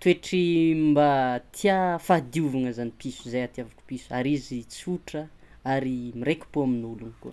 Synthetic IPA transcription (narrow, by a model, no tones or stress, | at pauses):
t̪ueʈ͡ʂimbat̪ʰiafad̪iuvaŋəzanipisuzajat̪iavaku̥pisu̥aɾizit͡siuʈ͡ʂə | aɾimiɾekʲu̥poaminuluniko̰